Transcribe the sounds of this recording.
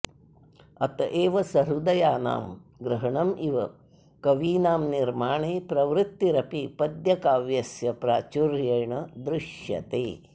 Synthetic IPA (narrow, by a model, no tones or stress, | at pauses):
ɐt̪ɐʔeːʋɐsɐɾud̪ɐjaːna̰ːmɡɾɐɦɐɳɐmʔiʋɐ | kɐʋiːnaːmniɾmaːɳeːpɾɐʋɾɪt̪ːiɾɐpipɐd̪jɐkaːʋjɐsjɐpɾaːt͡ʃuɾjɐjɳɐd̪ɾɪʃjɐ̰t̪ḛː